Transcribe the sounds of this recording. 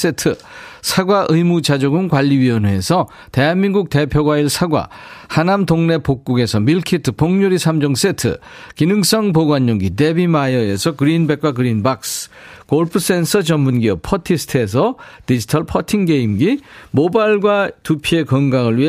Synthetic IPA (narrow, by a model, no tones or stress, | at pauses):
s͈etʰɯ | sʰaɡwaʔɯimut͡ɕad͡ʑoɡɯnkwaʎːiɥiʌnɦue̞sʰʌ | te̞ɦanminɡuk̚te̞pʰjoɡwaiɭsʰaɡwa̰ | hanamtoŋne̞pok̚k͈uɡe̞sʰʌmiɭkʰitʰɯpoŋɲuɾisʰamd͡ʑʌŋs͈e̞tʰɯ̰kinɯŋs͈ʌŋpoɡwaɲːoŋɡide̞bimajʌe̞sʰʌkɯɾinbe̞k͈wakɯɾinbak̚skoɭpʰɯs͈e̞nsʰʌt͡ɕʌmmunɡiʌp̚pʰʌtʰisʰtʰes̬ʰʌtid͡ʑitʰʌɭpʰʌtʰiŋɡe̞imɡimobaɭɡwatupʰie̞kʌŋɡaŋɯɭɥi